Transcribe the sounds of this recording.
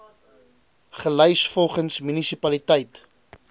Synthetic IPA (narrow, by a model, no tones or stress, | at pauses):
χəlœɥsfɔlˠχənsmynisipɐlitəjt